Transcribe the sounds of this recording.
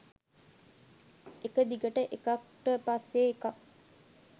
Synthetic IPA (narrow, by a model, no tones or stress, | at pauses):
ekəd̪iɡəʈəʔekakʈəpasːeːkak